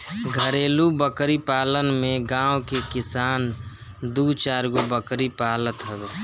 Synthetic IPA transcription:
ɡʱəɾeːlubəkɾipaːlənmẽɡãːwkekɪsaːn | d̪uːt͡ʃaːɾɡobəkɾipaːlət̪ɦɛbeː

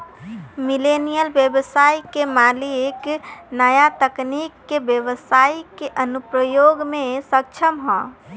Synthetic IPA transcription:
milenijəlbjəbsaikemalieknəjat̪əknikːebjəbəsaikeʔənupɾəjoɡmẽsək̚t͡ʃʰəmɦɔ̃

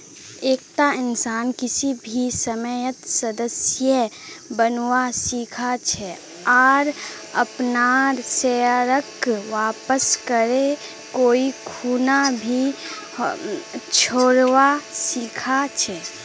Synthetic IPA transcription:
eːk̚t̪aɪnsaːnkɪsibʱisəməjət̪səd̪əsjə | bənwasiːkʰat͡ʃʰɛ | ɔːɾ | ə̰pnaɾseɾəkʋaːpəskəɾe | koːikʰuːnabʱi | t͡ʃʰoːɽʋasiːkʰat͡ʃʰɛ

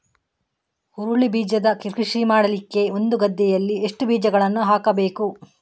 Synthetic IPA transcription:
huɾuɭibiːd͡ʒɐd̪ɐkiɾkiʂimaːɽɐlikːe̞o̞nd̪uɡɐd̪ːɛjɐlːieʂʈubiːd͡ʒɐɡɐɭɐnːuɦaːkɐbe̞ːku

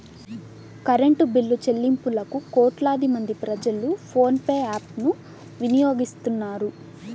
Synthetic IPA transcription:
kɐɾeɳʈubilːut͡ʃelːimpulɐkukɔːʈlaːd̪imɐnd̪ipɾɐd͡ʒɐlupʰoːnpeːaːpnu | ʋinijo̞ːɡist̪unːaːɾu

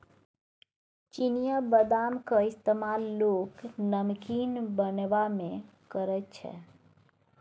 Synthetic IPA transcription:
t͡ʃinijabəd̪amkəist̪emalːoknəmkinbənbame | kəɾətt͡ʃʰɛ̰

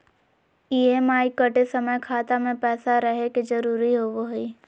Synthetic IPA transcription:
iːemaːikəʈesəməjkʰaːt̪amẽpɛːsaɾəɦeked͡ʒəɾuːɾiɦoʋoɦiː

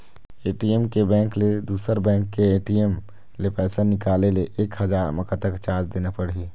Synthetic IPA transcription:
eːʈiemkebɛ̃ːŋkled̪uːsəɾbɛ̃ːŋkːeeːʈiem | lepɛːsanɪkaːleleʔeːkɦəd͡ʒaːɾməkat̪əkt͡ʃaːd͡ʒd̪eːnapəɽiː

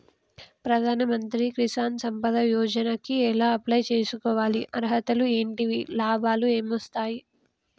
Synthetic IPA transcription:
pɾɐd̪ʱaːnɐmɐnt̪ɾikɾisaːnsɐmpɐd̪ɐjɔːd͡ʒɐnɐkiɛlaːɐplɐjt͡ʃeːsukɔːʋaːliʔɐɾɦɐt̪ɐlueːɳʈiʋilaːbaːlue̞ːmʋɐst̪aːji

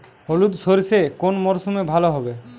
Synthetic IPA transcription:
ɦolud̪soɾsekonmɔɾsumebʱaloɦɔbe

